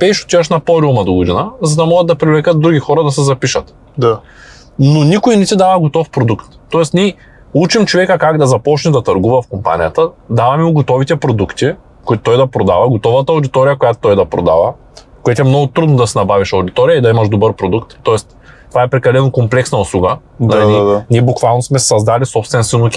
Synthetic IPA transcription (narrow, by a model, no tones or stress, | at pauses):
pɛjʃo̥t̪iɐʃnɐpɔɾiumɐd̪oɡʊd̪inɐzɐd̪ɐmɔɡət̪̚d̪ɐpɾivlɛkət̪̚d̪ɾuɡʲixɔɾɐd̪ɐsɛzɐpiʃɐt̪ | d̪a | nonʲikʊinɛt̪id̪avɐɡot̪ɔfpɾod̪ukt̪ːɔɛsnʲɛ | ut͡ʃimt͡ʃovɛkəkaɡd̪ɐzɐpɔt͡ʃnɛd̪ɐt̪ɐɾɡuvɐfkompa̰nʲḭjɐt̪əd̪avɐmiʊɡot̪ɔvit̪ɛpɾod̪ukt̪i | koit̪ʊ̥t̪ɔjd̪ɐpɾod̪avɐɡot̪ɔvət̪ɐːwʊd̪it̪ɔɾijɐkojat̪o̥t̪ɔjd̪ɐpɾo̰d̪a̰vɐ | kojat̪oɛmnɔɡʊt̪ɾud̪nod̪ɐsɛnɐbaviʃɐwd̪it̪ɔɾijɐid̪ɐimɐʃd̪obɤɾpɾod̪ukt̪ːɔɛst̪ | t̪ovaɛpɾɛkɐlɛnokomplɛksnɐʊslˠuɡə | naninʲiɛbukvalˠnosmɛsɐzd̪alisɔpst̪vɛnsvɛnokʲ